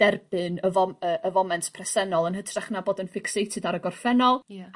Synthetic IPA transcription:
d̥ɛrbɨnəvɔəːʔəvɔmɛntʰpʰrɛsɛnɔlˠənhətʰraχnaboːdənfɪksejtʰɨdaɾəɡɔrfɛnɔlˠ

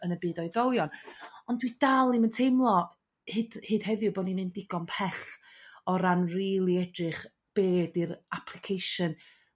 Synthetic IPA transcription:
ənəbɨːdɔjdɔwˠjɔnɔndwidalˠiməntʰejmlˠɔ | hɨd̥hɨːd̥hɛðjʊboːninɨndɪɡɔnpʰɛɬ | ɔɾanriːlˠiɛdɨχ | b̥eːdiɾapʰlˠɨkʰejʃɨn

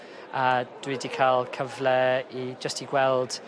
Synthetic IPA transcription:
əd̥widikʰalˠkʰəvlɛid͡ʒəstiɡwɛlˠd̥

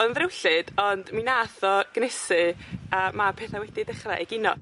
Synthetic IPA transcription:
ɔnðrɪwɬɨd̥ɔndminaθɔɡ̥nɛsɨəːmapʰeːθawɛdidɪχraʔɛɡɪnɔ̰

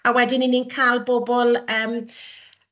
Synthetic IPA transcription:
awɛdɪnɪninkʰalˠbɔbɔlˠəːm

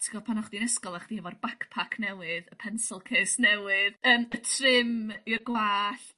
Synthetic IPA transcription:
tʰiɡɔpʰanɔχdinɛskɔlˠaχd̥ihɛvɔrbakpʰakʰnɛwɨðəpʰɛnsɪlˠkʰeːsnɛwɨðəːmətʰrɪmirɡwaːɬ

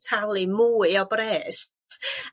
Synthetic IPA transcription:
tʰalˠɨmuːɨɔbɾɛːst

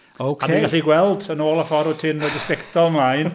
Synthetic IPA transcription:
owkʰameɡaɬiɡwɛlˠdənoːlˠəfɔɾɔtʰɪnvodəspɛktʰɔlˠəmlˠajn

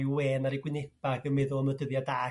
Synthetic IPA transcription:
jweːnaɾiɡwɪnɪb̥aɡənmɪðʊəmədəðjadaː

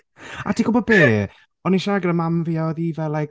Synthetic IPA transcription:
a̰dʰiɡʊlˠbɔbeː | ɔniʃaɡəɾəmamviɔðivɛlˠa

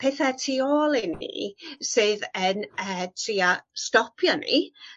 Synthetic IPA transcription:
pʰɛθɛtʰioːlˠinḭsɨːðənətʰriastɔpʰjɔnḭ

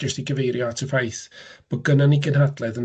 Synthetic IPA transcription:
əstiɡəvejɾjɔatʰəfajθb̥ɔɡənaniɡənɦadlˠɛðən

